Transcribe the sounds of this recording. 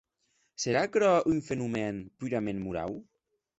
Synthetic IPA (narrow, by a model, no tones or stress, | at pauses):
seɾakɾɔyɱfenumɛnpyɾamẽnmuɾa̰w